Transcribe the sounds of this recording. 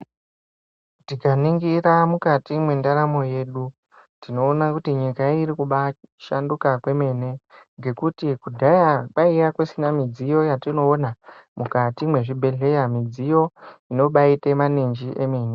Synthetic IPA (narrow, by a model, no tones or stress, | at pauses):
tikaniŋɡiramukatimwe̞ndaɾamo̞je̞ːɗu | tino̞ːnakutiɲikaiɾikuɓaʃandukakwe̞me̞ne̞ŋɡe̞kutikudʱajaɓaijakwesinamid͡zijo̞jatino̞ːnamukatimwe̞ʐibʱe̞ɮe̞jamid͡zijo̞ino̞ɓaitemanend͡ʒiʔe̞meːne